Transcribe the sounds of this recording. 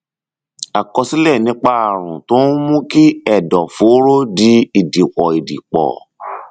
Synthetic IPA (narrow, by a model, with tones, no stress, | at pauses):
a˨kɔ˧si˦lɛ˦˨nĩ˨˦k͡pa˦a˦˨ɾ̃ũ˨tõ˨˦mũ˦ki˦ɛ˦˨dɔ˨fo˨˦ɾo˦di˨˦i˦˨di˨kɔ˨i˨dḭ˨k͡pɔ̰˨